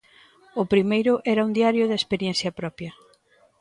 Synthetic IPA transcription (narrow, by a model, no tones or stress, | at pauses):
ʊpɾimejɾʊʔɛɾɐund̪iaɾjʊðɐespeɾjɛ̃n̟θjɐpɾɔpjɐ